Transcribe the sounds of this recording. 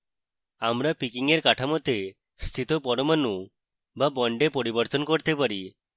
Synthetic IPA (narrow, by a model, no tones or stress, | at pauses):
amɾapikiŋeɾkaʈʰamɔt̪e | st̪ʰit̪ɔpɔɽɔmanu | babɔɳɖepɔɾibɔɾt̪ɔnkɔɾt̪epaɾi